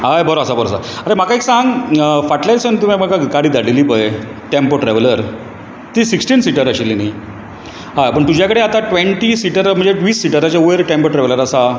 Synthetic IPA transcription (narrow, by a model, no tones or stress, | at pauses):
ajbəɾoəsabəɾo̰sa̰əɾem̤akaiksãŋɡfaʈlajʈsənt̪um̤amakakaɽiːd̪aɽilipəj | ʈempoʈɾɛʋeləɾ | t̪isiksʈiːnsiʈəɾəɕilini | ɦajpəɳt̪ud͡ʑʱjakəɽeat̪aʈʋeɳʈisiʈəɾm̤əɳd͡zeʋiːsːiʈəɾat͡ɕaueɾʈempoʈɾɛʋləɾəsa